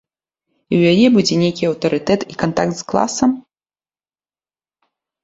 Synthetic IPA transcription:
iwjajɛbud͡zʲɛnʲejkʲiɐwt̪ɐɾɨt̪ɛt̪ikant̪a̰kt̪sklˠa̰sɐm

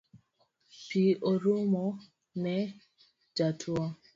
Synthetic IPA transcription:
piʔoɾomɔ | nɛ | d͡ʒatʰuɔ

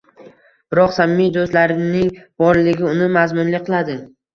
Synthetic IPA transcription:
b̥ɪɾɒqsamːijd̪ost̪laɾɪnɪŋbɒɾlɪɡʲɪʊnɪmazmʊnlɪqʰɨlˠad̪ɪ

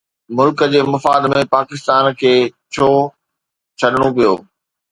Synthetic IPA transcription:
mʊlkəd͡ʑeːmɐfaːd̪mẽpaːkɪst̪aːnkʰeːt͡ɕʰoː | t͡ɕʰɐɗɽ̃opijo̰ː

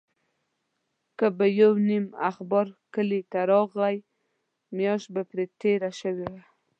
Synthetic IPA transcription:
kəbəjawnimaxbɑɾkəlit̪aɾɑɣaj | mjɑʃt̚bapɾet̪eɾaʃəwewa

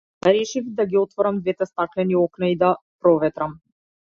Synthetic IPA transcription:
ɾɛʃivd̪aɡʲiɔt̪vɔɾamd̪vɛt̪ɛst̪aklɛniɔknaid̪apɾɔvɛt̪ɾam

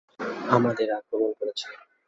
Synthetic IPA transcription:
amad̪eɾakɾobonkoɾet͡ɕʰile

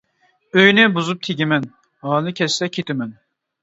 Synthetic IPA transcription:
øjnɪbuzup̚t̪ʰeɡʲimɛn | hɑnɨkʲʰɛssɛkʲʰet̪ɪmɛn

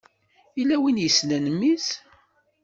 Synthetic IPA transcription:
ilːæwinjəslænəmːis

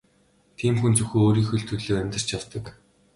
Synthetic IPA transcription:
t̪ʰiːmxunt͡sɵxuːoːɾiːxɵ̆ɮt̪ʰɵɮoːæmʲt̪ə̆r̥t͡ɕjaw̥t̪ə̆k

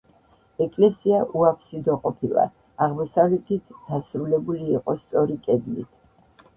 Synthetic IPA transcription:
ɛkʼlɛsiaʔuapʰsid̪ɔqʼɔpʰilˠa̰ | aʁmɔsavlɛt̪ʰit̪ʰd̪̥asɾulɛbuliːqʼɔst̪sʼɔɾikʼɛd̪lḭt̪ʰ

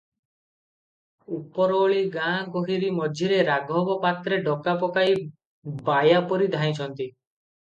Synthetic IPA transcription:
upɔɾɔɭiɡãkoɦiɾimɔd͡ʒʱiɾeɾaɡʱɔbɔpat̪ɾeɖɔkapɔkaj | bajapɔɾid̪ʱaĩt͡ʃʰɔnt̪i

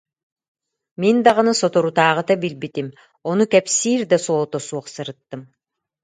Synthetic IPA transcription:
mind̪aʁɯnɯsɔt̪ɔɾut̪aːʁɯt̪abilbit̪im | ɔnukɛpsiːɾd̪asɔlˠt̪ɔsuɔχsɯɾɯt̪ːɯm

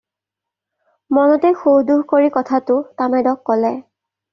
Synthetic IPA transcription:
mɔnɔtɛxoɦduɦkoɹikɔtʰatʊtamɛdɔkːɔlɛ

